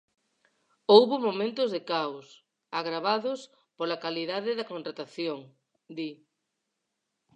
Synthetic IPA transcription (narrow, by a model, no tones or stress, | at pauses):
owβʊmomẽnt̪ʊzðekaws | aɣɾaβaðʊs | polakaliðaðɪðɐkõnt̪ɾat̪aθjoŋ | d̪i